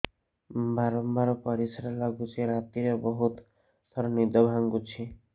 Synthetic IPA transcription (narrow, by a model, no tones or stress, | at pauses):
baɾɔmbaɾɔpʌɾisɾalaɡut͡ʃʰiɾat̪iɾebʌɦut̪ | sʌɾnid̪ʱɔbʱaŋɡut͡ʃʰi